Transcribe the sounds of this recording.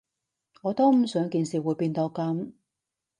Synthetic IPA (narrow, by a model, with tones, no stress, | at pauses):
ŋɔː˨˧t̪o˥wm̩˨˩sœː˨˥ŋkiː˨˧nsiː˨˩wuː˨˧jpiː˧nt̪oː˧kɐ˨˥m